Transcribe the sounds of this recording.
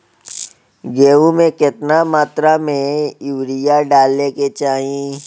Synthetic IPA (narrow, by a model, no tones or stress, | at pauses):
ɡeːʋũmẽkɪt̪namaːt̪ɾamẽɪwɾijaɖaːlːeket͡ʃaːɦĩ